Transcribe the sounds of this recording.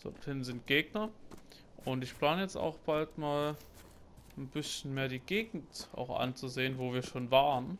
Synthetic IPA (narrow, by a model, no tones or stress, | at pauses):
d̥ɔ̰thɪnnzɪnt̚ɡ̥eːɡ̚nɐ | ʔʊntɪçpl̥aːnəjɛt͡sta̰ʊxb̥altmaːl | n̩b̥ɪsçn̩meːɐdiːɡ̥eːɡŋ̩tʔa̰ʊxʔa̰nt͡suzeːənvoːviːɐʃoːnvaːʁən